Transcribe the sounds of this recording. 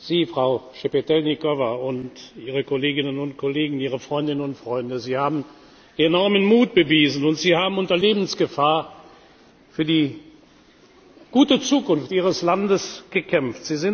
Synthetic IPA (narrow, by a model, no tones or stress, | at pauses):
z̥iːfʁ̥aʊʃepetɛlnikɔvaʊntʔiːʁəkoleːɡɪnənʊntkʰɔleːɡŋ̩iːʁ̞əfʁ̥ɔʏndɪnənʊntfʁ̥ɔʏndəziːhaːbm̩ | ʔenɔɐmənmuːt̚b̥əviːzn̩ʊntz̥iːhaːbm̩ʊntɐleːbn̩sɡ̥əfaːɐ | fyːɐdiː | ɡ̥uːtət͡suːkʊnftʔiːʁəslandəsɡ̥əkʰɛmftz̥iːzɪn